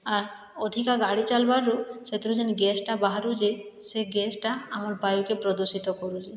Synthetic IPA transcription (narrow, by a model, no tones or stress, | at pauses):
aɾ | ɔd̪ʱikaɡaɽit͡ʃalbaɾːuset̪ɾud͡ʒenɡɛsʈabaɦaɾud͡ʒeseɡɛsʈaamɔɾbajukepɾɔd̪oʃit̪ɔkɔɾud͡ʒe